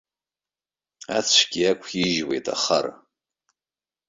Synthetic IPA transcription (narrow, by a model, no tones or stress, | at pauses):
at͡ɕʷʰɡ̥ʲiakʷʰiʒwejtʼʰa̰χa̰r